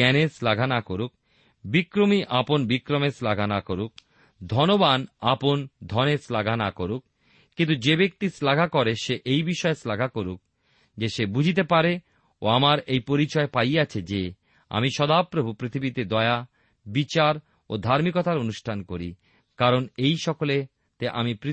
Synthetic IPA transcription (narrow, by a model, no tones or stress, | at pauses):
ɛneslaɡʱanakoɾuk̚ | bikɾomiʔaponbikɾomeslaɡʱanakoɾuk̚ | d̪ʱɔnobanapond̪ʱɔneslaɡʱanakoɾuk̚ | kint̪ud͡ʑebek̚t̪islaɡʱakɔɾeʃeʔejbiʃɔeslaɡʱakoɾuk̚ | d͡ʑeʃebud͡ʑʱit̪̬epaɾe | o̰amaɾejpoɾit͡ɕɔepajat͡ɕʰed͡ʑe | a̰miʃɔd̪apɾobʱupɾit̪ʰibit̪ed̪ɔea | bit͡ɕaɾ | o̰d̪ʱaɾmikɔt̪aɾonuʃʈʰankoɾḭ | kaɾonejʃɔkole | t̪eʔa̰mipɾi